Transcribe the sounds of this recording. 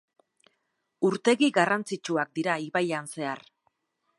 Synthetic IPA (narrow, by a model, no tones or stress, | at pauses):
uɾt̪e̞ɣiɡarant͡sit͡ʃuak̚d̪iɾaiβajanse̞ar